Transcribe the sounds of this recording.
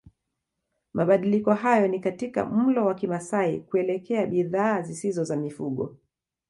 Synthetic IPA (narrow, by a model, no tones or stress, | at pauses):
maɓaɗilikɔɦajɔnikatika̰m̩lɔwakimasaikuɛlɛkɛaɓiðaːzisizɔzamifuɠɔ̰